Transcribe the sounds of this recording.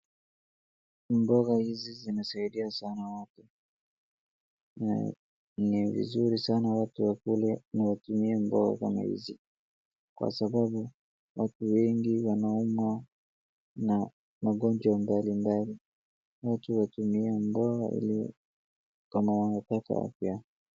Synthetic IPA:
mbɔɣahizizinasaiɗiasanawatu | na̰ | nivḭzuɾisanawatuwakulɛnawatumiɛmbɔɣa̰ka̰ma̰hḭzi | kwa̰saɓaɓu | watuwɛŋɡiwanaumwa | na | maɠɔnd͡ʒwambalimbali | watuwatumiɛmbɔɣa̰ʔḭli | kamawanapaka̰a̰fja

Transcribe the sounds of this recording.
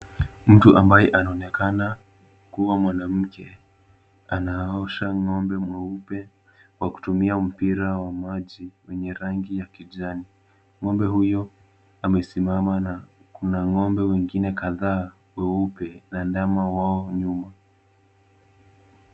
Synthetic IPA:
m̩tuʔambajɛʔanaɔnɛkana | kuwamwanam̩kɛ̰ | anaɔʃaŋɔmbɛmwɛupɛ | waku̥tumiam̩piɾawamaʄiwɛɲɛɾaŋɡijakiʄani | ŋɔmbɛɦujɔ | amɛsimamana | kunaŋɔmbɛwɛŋɡinɛkaðaː | wɛupɛnandamawaɔɲuma

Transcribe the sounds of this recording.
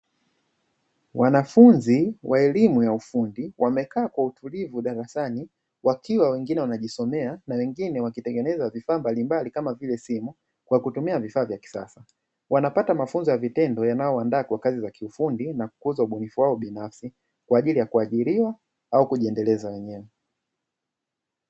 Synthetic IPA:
wanafunziwaɛlimujaufundiwamɛkaːkwautulivuɗaɾasani | wakiwawɛŋɡinɛwanaʄisɔmɛanawɛŋɡinɛwakitɛŋɡɛnɛzavifaːmbalimbalikamavilɛsimu | kwakutumiavifaːvjaki̥sa̰sa | wanapatamafunzɔjavitɛndɔjanajɔandaːkwakazizakiufundinaku̥kuzauɓunifuwaɔɓinafsi | kwaːʄilijakuaʄiɾiwa | aukuʄiɛndɛlɛzawɛɲɛwɛ

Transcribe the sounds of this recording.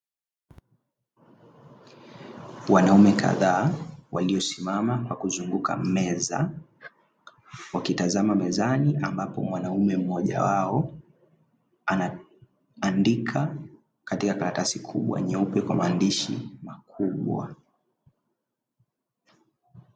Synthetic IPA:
wanaumɛkʰa̰ðaːwaliɔsimamakwakuzuŋɡukʰa̰mɛza̰ | wakitazamamɛzaniambapɔ̰mwanaumɛm̩ɔʄa̰waɔ | ana | andikʰa | katikakaɾatasikʰṵɓwa̰ɲɛupɛkwamaːndiʃḭmakʰuɓwa̰

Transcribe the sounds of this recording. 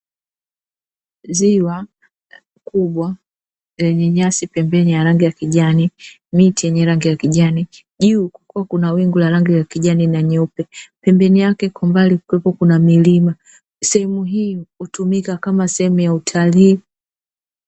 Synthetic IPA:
ziwa | kuɓwa | zɛɲɛɲasipɛmbɛnijaɾaŋɡiakiʄani | mitijɛɲɛɾaŋɡijakiʄani | ʄuːkḁkuwakunawiŋɡulaɾaŋɡilakiʄaninaɲɛupɛpɛmbɛnijakɛkɔmbalikwɛpɔkunamilima | sɛhɛmuɦiːutumikakamasɛhɛmujautʰaliː

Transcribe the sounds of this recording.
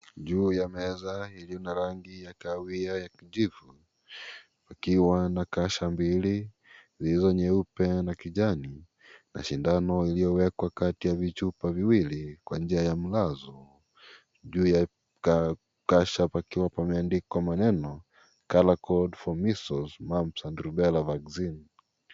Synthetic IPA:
ʄuːjamɛzailiɔnaɾaŋɡijakawiajakiʄivu | pakiwanakaʃambili | zilizɔɲɛupɛnakiʄani | na̰ʃindanɔilijɔwɛkwakatijavit͡ʃupaviwilikwand͡ʒiajam̩lazɔ | ʄuːja | ka | kaʃapakiwapamɛandikɔmanɛnɔ | kalakɔdfɔmisɔsmamsanduɾubɛlavaɡzin

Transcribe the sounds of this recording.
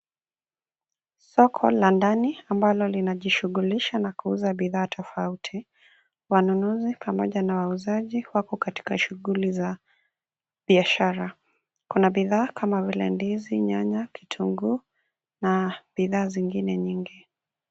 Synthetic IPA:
sɔkʰɔlandaniambalɔlinaʄiʃuɣuliʃanakuuzaɓiðaːtʰɔfautʰi | wanunuzipʰamɔʄanawauzaʄiwakɔkati̥kaʃuɣuliza | ɓiaʃaɾa | kunaɓiðaːkʰamavilɛ̰ndiziɲaɲakʰi̥tʰuŋɡu | naɓiðaːziŋɡinɛɲiŋɡi

